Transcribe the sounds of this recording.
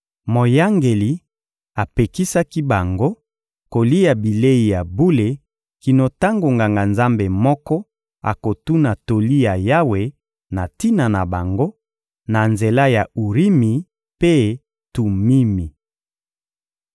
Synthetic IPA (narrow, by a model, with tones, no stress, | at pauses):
mo˨ja˦ŋɡe˨li˨ | a˨pe˨ki˦sa˦ki˦ba˨ŋɡo˦ | ko˨li˦ja˨bi˨le˦i˨ja˨bu˦le˨ | ki˨no˨ta˦ŋɡo˨ŋɡa˨ŋɡa˨nza˦mbe˨mɔ˦kɔ˦ | a̰˨ko˨tu˦na˨to˨li˦ja˨ja˦we˨ | na˨ti˦na˨na˨ba˨ŋɡo˦ | na˨nze˨la˦ja˨u˨ʁi˦mi˨ | pe˦ | tu˨mi˦mi˨